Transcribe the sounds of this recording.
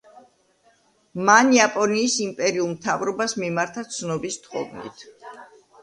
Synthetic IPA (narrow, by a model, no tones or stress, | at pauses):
maniapʼɔniːsimpʼɛɾiulˠmt̪ʰavɾɔbasmimaɾt̪ʰat̪sʰnɔbist̪ʰχɔvnḭt̪ʰ